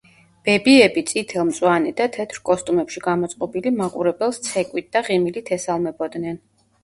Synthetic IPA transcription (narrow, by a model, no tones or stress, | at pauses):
b̥ɛbiɛbit̪sʼit̪ʰɛlˠmt̪sʼwanɛd̪at̪ʰɛt̪ʰɾkʼɔst̪ʼumɛpʃiɡamɔt̪sʼqʼɔbilimakʼuɾɛbɛlˠst̪sʰɛkʼwit̪̚d̪aʁimilit̪ʰɛsalˠmɛbɔd̪nɛn